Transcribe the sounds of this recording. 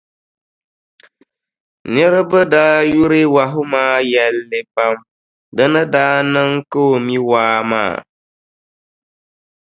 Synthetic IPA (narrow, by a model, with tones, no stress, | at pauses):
nə˦ɾɨ˦bə˦daː˦ju˦ɾe˦wa˨ɦʊ˦maː˦jɛ˦lːɪ˨pa˦m | dɨ˦nɨ˦daː˦nɨ˦ŋko˦˨mi˦waː˦ma̰ː˦˨